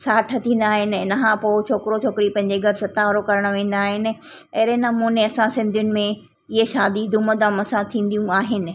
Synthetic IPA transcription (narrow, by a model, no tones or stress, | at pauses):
saːʈʰɐt͡ɕĩːn̆d̪aːɦɪnɪnɐɦãpoːt͡ɕʰoːkɪɾot͡ɕʰoːkɪɾipɐ̃ɦɪ̃ɲd͡ʑeɡʱɐɾsɐt̪aʋəɾokɐɾəɽ̃ʋẽːn̆d̪aːɦɪnɪ̆ɐːɾenamoːneɐsãsɪ̃nd̪ʱjʊnɪ̆mẽ | ɪɦeʃaːd̪id̪uməd̪ãmɐsãt̪ʰĩːn̆d̪ijũaːɦɪnɪ̆